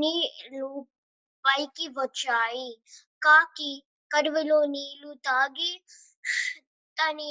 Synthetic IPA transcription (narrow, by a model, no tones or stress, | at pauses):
nilu | paːikiʋət͡ʃaːikaːki | kɐɾʋiloːnilut̪aːɡi | t̪ani